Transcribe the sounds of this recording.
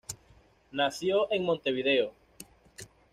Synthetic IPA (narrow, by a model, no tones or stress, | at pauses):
naθjoʔeŋmõnt̪eβ̞iðeo